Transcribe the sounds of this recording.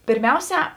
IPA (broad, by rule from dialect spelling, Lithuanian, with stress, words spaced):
pʲeːrʲˈmʲɛʊˌsʲæː